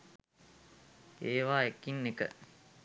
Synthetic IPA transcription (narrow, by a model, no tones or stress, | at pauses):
eːʋaːekːinːekə̰